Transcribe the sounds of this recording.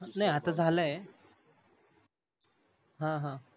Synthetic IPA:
najɦat̪ad͡zʱalae | ɦãɦã

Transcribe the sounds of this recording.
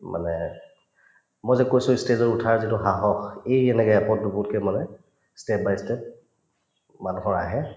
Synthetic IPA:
mʔa̰nɛ | mojzɛkojsʊ̃stezɔɹutʰaɹzitʊɦaɦɔxejɛnɛɡɛɛpɔt̚dubʊtkɛmanɛ | step̚bajstep̚ | manuɦɔɹa̰ɦɛ

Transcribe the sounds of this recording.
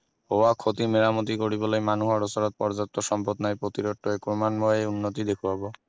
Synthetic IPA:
howakʰot̪imeɾamot̪̬ikoɽibolejmanuɦaɾosɔɾot̪̚pɔɾd͡ʑɔt̪ːoʃɔmpot̪naepɾot̪iɾoʈːoekɾomanmoeunːot̪id̪ekʰuabo

